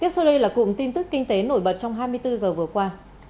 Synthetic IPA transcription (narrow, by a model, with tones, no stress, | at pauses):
k̪i˦˥əso˧ɗə˧jlaː˨˩kʊ̰˧˨ŋ͡mt̪i˧nt̪ɨ˦˥kːï˧ŋ̟t̪e˨˦no˧˩jɓə˨˩t̚t͡ɕɔ˧wŋ͡mɦaː˧jmɨ˧əjt̪ɨ˧zəː˨˩vɨ˨˩əkwaː˧